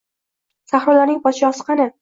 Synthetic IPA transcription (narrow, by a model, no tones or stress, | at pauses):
saχɾʊlaɾnɪŋpʰɒʃɪɒsqʰɑnɪ